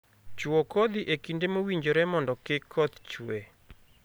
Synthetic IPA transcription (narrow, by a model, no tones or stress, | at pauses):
t͡ʃuokod̪iʔekindemowiɲd͡ʒoɾɛmɔndɔkɪkʰːɔt̪t͡ʃwe